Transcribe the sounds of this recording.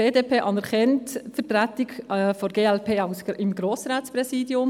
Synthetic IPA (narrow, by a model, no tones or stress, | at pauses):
eːdeːpʰeːʔɑnɛɾχɛntfəɾtɾætɪɡfɔɾɡ̥eːɛlpʰeːaʊsɪmɡɾoːsɾaːtspɾɛsiːdiʊm